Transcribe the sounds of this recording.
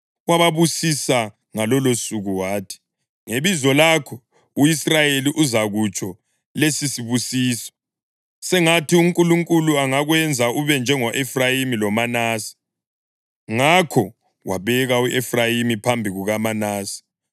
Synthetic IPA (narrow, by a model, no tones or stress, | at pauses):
waβaβusisa | ŋalɔlosuɣuwaːtʰi̥ | ŋeβizɔlakʰɔ | uisrajeliʔuzaɣut͡ʃʼʰɔ | lesisiβusiːsɔ̥ | sɛŋatʰiuŋkʼuluŋkʼuluaŋaɣwɛnd͡zʱaʔuβɛnd͡ʒʱɛŋɔʔɛfrajimilɔmanaːsi̥ | ŋakʰɔ | waβɛɣauʔɛfrajimipʰambʱiɣuɣamanaːsi̥